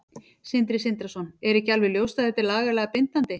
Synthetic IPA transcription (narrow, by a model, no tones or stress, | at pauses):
sɪnt̪ɾɪsɪnt̪ɾasɔnɛɾɪcalvɪljowst̪aðɛt̪ɪɾlaːɣalɛɣapent̪ant̪ɪ